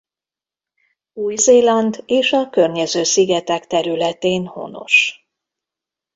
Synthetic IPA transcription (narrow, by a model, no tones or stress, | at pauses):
uːjzeːlɒnd̪eːʃɒkø̞rɲɛzøːsiɡɛt̪ɛkt̪ɛɾylɛt̪eːnho̞̰no̞̰ʃ